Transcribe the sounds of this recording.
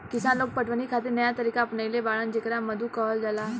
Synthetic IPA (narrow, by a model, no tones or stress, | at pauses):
kɪsaːnloːɡ̚pəʈʰʋənikʰaːt̪̬ɪnɐjat̪ɐɾiːkaɐpnailebaːɭənd͡ʒɪkɾamɐd̪ʱukɔɦld͡ʒɐla